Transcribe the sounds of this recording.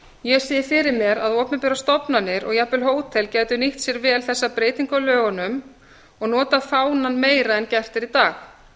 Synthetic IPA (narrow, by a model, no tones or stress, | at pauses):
jɛsiːðɪfɪɾɪɾmjɛɾaðɔːpnɪpɛɾast̪ɔpnanːɪɾɔɣjapʏlɦoːwt̪ʰɛlcɛːjt̪ʏniht̪sjɛɾvɛːlθɛsːapɾeːjt̪iŋkawlœːɣanʏm | ɔɣnɔːt̪afaːwnanmeːjɾaɛncɛr̥t̪ɪɾit̪aːx